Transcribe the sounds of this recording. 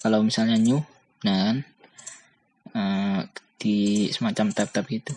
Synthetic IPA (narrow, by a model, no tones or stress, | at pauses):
kalawmisalɲaɲu | nakan | əmd̥isəmat͡ʃamt̪ap̚t̪ap̚ɡit̪u